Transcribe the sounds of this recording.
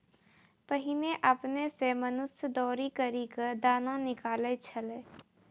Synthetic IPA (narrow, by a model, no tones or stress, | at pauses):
pəɦɪneʔəpnesemənʊsjəd̪ɔːɾikəɾikəd̪aːnãnɪkaːlet͡ʃʰɐleː